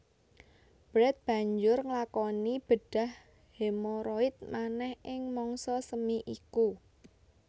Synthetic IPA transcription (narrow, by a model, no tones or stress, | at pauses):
b̥ɾɛt̪̚b̥ä̤ɲd͡ʒʊrŋlakɔnib̥ə̤ɖ̥a̤h | hemoɾɔɪt̪̚manɛhɪŋmɔŋsɔsəmiʔiku